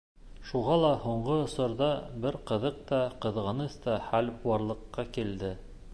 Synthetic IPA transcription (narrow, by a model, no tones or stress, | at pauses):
ʃuʁɑlˠɑhuɴɢɤŏsɤ̆ɾðɑbɘɾqɤ̆ðɤq̚t̪ɑqɤ̆ðʁɤ̆nɤst̪ɑχæluɑɾlˠɤ̆qːɑkild̪ɘ